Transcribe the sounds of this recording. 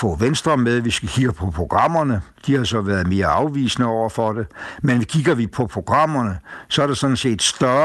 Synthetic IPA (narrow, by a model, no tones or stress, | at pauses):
fɔ̰̽ːʋensd̥ʁɐmeðˠʋisɡ̥ækʰiɡ̥ɐpʰɒ̽pʰʁo̝ɡ̥ʁɑ̈m̰ɐnəd̥ihɑsɒ̽ʋæːɐð̩ˠme̝ːɐɑ̈ʊʋḭːsnəɒʊ̰ɐfɒd̥e̝menkʰiɡ̥ɐʋipʰɒ̽pʰʁo̝ɡ̥ʁɑ̈m̰ɐnəsɒ̽æɐɾ̥esɒ̽d̥n̩se̝̰ːd̥sd̥ɶ